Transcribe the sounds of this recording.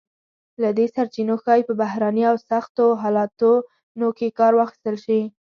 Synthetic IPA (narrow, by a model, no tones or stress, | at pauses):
lad̪esaɾt͡ʃinoxɑjpəbaɦɾaniawsaxt̪oɦɑlɑt̪o | nokekɑɾwɑxi̥st̪əlʃi